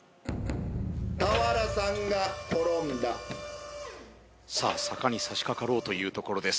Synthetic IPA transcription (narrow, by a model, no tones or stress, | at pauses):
t̪aβaɾasãŋɡako̞ɾõnd̪a | sa̰ːsakaɲ̟isaɕi̥kakaɾo̞ːt̪o̞jɯ̟ːt̪o̞ko̞ɾo̞d̪e̞sɨ̥